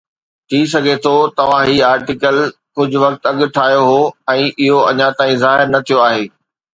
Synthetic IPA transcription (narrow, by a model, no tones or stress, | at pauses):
t̪ʰiːsɐɡʱet̪ʰot̪ɐʋ̤ãɦiːaːɾʈɪkəlkʊd͡ʑʱʊ̆ʋɐk̚t̪ɐɠʊ̆ʈʰaːɦjoɦoɛ̃ːʔɪɦoɐɲat̪ãːĩzaːɦɪɾnɐt̪ʰijoaːɦeː